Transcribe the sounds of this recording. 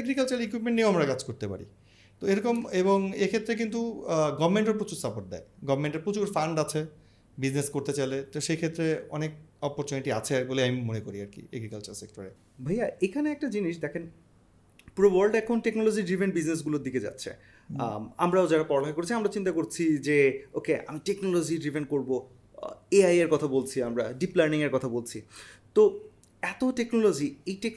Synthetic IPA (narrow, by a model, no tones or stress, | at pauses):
eɡɾikalt͡ɕaɾekwipmẽɳʈnioamɾakad͡ʑkoɾt̪epa̰ɾḭ | t̪oeɾɔkomeβoŋekʰet̪ːɾek̬int̪uɡɔbmeɳʈeɾpot͡ɕuɾsapoʈ̚d̪ɛ̰eɡɔbmeɳʈeɾpot͡ɕukɾfaɳɖat͡ɕʰe | bid͡ʑneskoɾt̪et͡ɕalet̪oʃekʰet̪ːɾeɔnek̚ɔpoɾt͡ɕoniʈiat͡ɕʰeboliamimonekoɾiaɾkḭḛɡɾikalt͡ɕaɾsek̚ʈoɾe | bʱajaekʰaneɛk̚ʈad͡ʑiniʃd̪ɛkʰen | puɾobaɾlɖɛkʰonʈeknolod͡ʑiɖɾivʱeɳʈbid͡ʑnes̬ɡuloɾd̪iked͡ʑa̰tːɕʰḛ | amɾaod͡ʑaɾapɔɾolaɦekoɾet͡ɕʰiamɾat͡ɕint̪̬akoɾt͡ɕʰid͡ʑeokea̰miʈeknolod͡ʑiɖɾivʱenkoɾbo | eajeɾkɔt̪ʰabolt͡ɕʰiamɾaɖiplaɾniŋeɾkɔt̪ʰabolt͡ɕʰit̪o | ɛt̪oʈeknolod͡ʑiejʈek